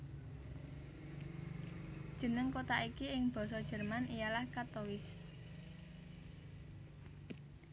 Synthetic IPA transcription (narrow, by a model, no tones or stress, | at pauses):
d̥ʒ̥ə̤nəŋkot̪aʔikiɪŋb̥ɔ̤sɔd̥ʒ̥ə̤rmanʔijalahkat̪owɪs